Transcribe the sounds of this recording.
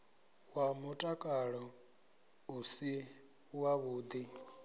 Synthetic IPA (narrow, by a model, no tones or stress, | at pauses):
wamutʼakʼaɺɔ | usi | waβuːd̪i